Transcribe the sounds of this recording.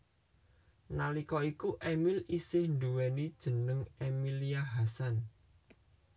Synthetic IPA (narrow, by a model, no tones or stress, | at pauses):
nalikɔikuʔɛmilisɪhnd̪uwɛnid̥ʒ̥ə̤nəŋʔemiliaɦasan